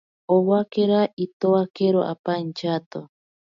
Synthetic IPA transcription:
oβakeɾait̪oakeɾoʔa̰pant͡ʃat̪o

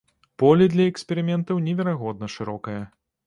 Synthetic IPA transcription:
pɔlʲid̪lʲɐɛksʲpʲɛɾɨmʲɛnt̪ɐwnʲɛvʲɛɾaɣɔd̪̚nɐʂɨɾɔkɐjɐ

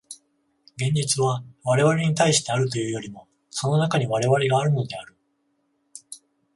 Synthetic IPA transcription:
ɡẽ̞ɲ̟d͡ʑit͡sɨβaβaɾe̞βaɾe̞ɲ̟it̪aiɕi̥t̪e̞aɾɯ̟t̪o̞jɯ̟ːjo̞ɾʲimo̞ | so̞no̞nakaɲ̟iβaɾe̞βaɾe̞ɡaːɾɯ̟no̞d̪e̞aɾɯ̟

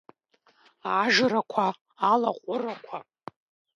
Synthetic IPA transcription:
aʒɾakʷʰaː | laqʷʼʊrakʷʰa

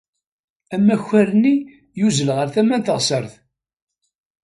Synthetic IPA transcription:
æmːæçːæɾni | juzəlʁəɾθæmːænθəʁsəɾθ

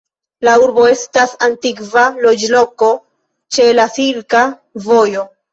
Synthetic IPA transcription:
lauɾbo̞e̞stasantikvalo̞d͡ʒlo̞ko̞ | t͡ʃe̞lasiɾka | vo̞jo̞

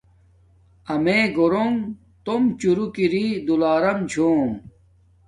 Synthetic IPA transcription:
ɐmeɡoɾoŋ | t̪omt͡ɕuɾukiɾid̪ulaːɾɐmt͡ɕʰoː

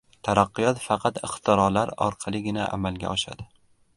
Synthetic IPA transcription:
t̪ʰaɾɑqːɨjɒt̪fɑqʰɑt̪ɪχt̪ʰɪɾɒlaɾɒ̰ɾqʰɑlˠɪɡʲɪnaʔa̰malɡʲa̰ɒʃa̰d̪ɪ

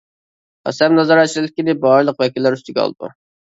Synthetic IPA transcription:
ɑ̰sɛmnɑzɑɾɑt͡ʃʰilɪlɪkʲinɪbɑɾlˠəqvɛkʲilːæɾyst̪ɪɡʲɛɑ̰lˠd̪ṵ

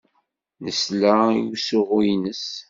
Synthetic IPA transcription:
nəslaiusʊʁujnəs

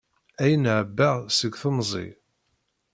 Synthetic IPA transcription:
æjənʕəbːaʁsəɡʷθəmzˤḭ

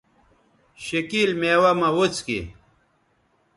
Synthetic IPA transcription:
ɕekiːlmeːwamɐwot͡skḭ

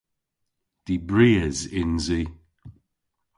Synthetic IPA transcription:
d̪̥ibɹiːəzɪnzi

